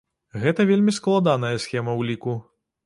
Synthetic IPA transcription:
ɣɛt̪ɐvʲelʲmʲisklˠad̪an̪ɐjɐsxʲɛmɐwlʲiku

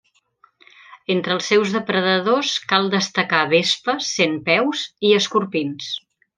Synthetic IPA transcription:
ent̪ɾəːlˠsːɛwzðəpɾəðəðoskalˠd̪əst̪əkaβespəsenpɛwziəskuɾpins

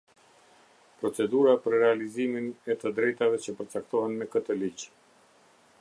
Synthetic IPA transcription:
pɾɔt͡sɛd̪uɾapəɾɾɛaliziminɛt̪əd̪ɾɛjt̪avɛt͡ɕəpəɾt͡sak̚t̪ɔɦɛnmɛkət̪əlid͡ʑ

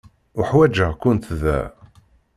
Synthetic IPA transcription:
ʊħwæd͡ʒəʁkʷʊnt̪ðæ̰

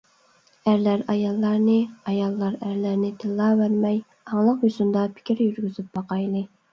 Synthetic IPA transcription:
æɾlæɾɑjɑlˠːɑɾnɨɑjɑlˠːɑɾæɾlæɾnɪt̪ʰɨlˠːɑːwæɾmɛj | ɑŋlˠəqjosund̪ɑpʰɪ̥kʲʰɪɾjyɾɡʲyzyp̚bɑqʰɑjlˠɨ

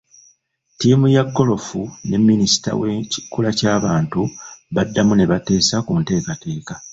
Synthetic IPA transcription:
tiːmujaɡːo̞lo̞fune̞mːinisi̥ta̰weci̥kulacaːβaːntuβadːamune̞βate̞ːsakunte̞ːkate̞ːka

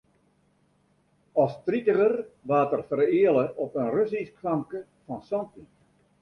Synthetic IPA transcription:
ɔstritəɣərʋaːtərfərɪələʔɔpənrøsiskʰrɑmkə | fɔnsɔnti

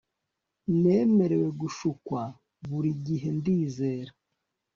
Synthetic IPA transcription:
ne̞ːme̞ɾe̞we̞ɡuʃukwa | βuɾiɟiɦe̞ndiːze̞ːɾa

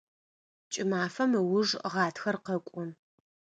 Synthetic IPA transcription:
t͡ʃʼɪmaːfɐmɨwʊʐʁɑːtʰxɐrqɐkʷʼʊm

